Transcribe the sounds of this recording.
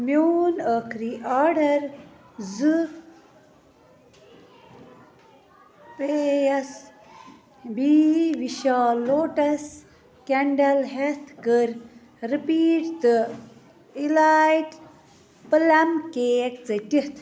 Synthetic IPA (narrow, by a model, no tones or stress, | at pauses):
mjoːnəkʰɾiʔaːɖɐɾ | zɨ | pejɐs | biːʋiʃaːloːʈɐs | keɳɖɐlɦet̪ʰkəɾ | ɾipiːʈt̪ɨ | ilaːjʈ | pɐlɐmkeːkt͡sɐtit̪ʰ